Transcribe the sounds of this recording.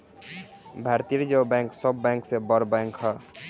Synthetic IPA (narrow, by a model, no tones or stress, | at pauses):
bʱaɾt̪ijɾd͡ʒebɛ̃ŋksɔbːɛ̃ŋksẽbəɾbɛ̃ŋkɦɔ